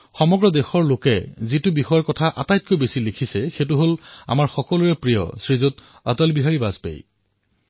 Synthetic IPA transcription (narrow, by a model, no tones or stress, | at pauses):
xɔmɔɡɹɔdexɔɹlokɛzitʊbixɔjaɹkɔtʰaʔa̰tajt̚kojbesilekʰisɛxet̬ʊɦola̰maɹxɔkɔluɹɛpɹijɔ̰sɹizot | a̰tɔlbiɦaɹibazpḛj